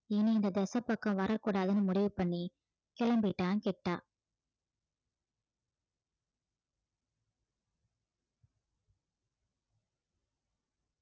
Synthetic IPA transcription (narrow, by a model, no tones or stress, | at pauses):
ɪniɪnd̪ɐd̪ɛsɐpːɐkːɐ̃ʋɐɾʔɐkuːɽaːðɯnɯmʊɽɪʋɯpɐɳːi | kɪɭɐmbɪʈːaːnkɛʈːa̰ː